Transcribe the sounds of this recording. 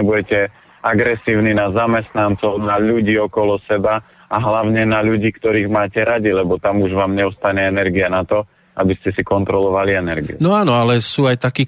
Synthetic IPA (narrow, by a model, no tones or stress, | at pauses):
ɛbuɟɛcɛ | aɡɾɛsiːʊninazamɛst̪nant͡sɔʊnaʎuɟiːɔkɔlɔsɛba | aɦlaʊɲɛnaʎuɟiːkt̪ɔɾiːɣmaːcɛɾaɟilɛbɔt̪amuʒʋaːmɲɛust̪aɲɛɛnɛɾɡianat̪ɔ | abiscɛsikɔnt̪ɾɔlɔʋaliɛnɛɾɡḭṵnɔaːnɔalɛsuːajt̪akiː